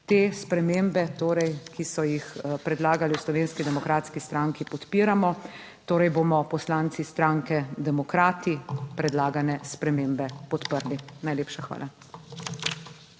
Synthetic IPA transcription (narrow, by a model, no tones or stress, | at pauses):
t̪eːspɾɛmembɛt̪oːɾɛjkisɔjixpɾɛd̪laːɡaliwslɔʋeːnskid̪ɛmɔkɾaːt̪skist̪ɾãŋkipɔt̪piːɾamɔ | t̪oːɾɛjboːmɔpɔslaːnt̪sist̪ɾaŋkɛd̪ɛmɔkɾaːt̪ipɾɛd̪laːɡanɛspɾɛmembɛpɔt̪pəɾlinajleːpʃaxʋa̰ːla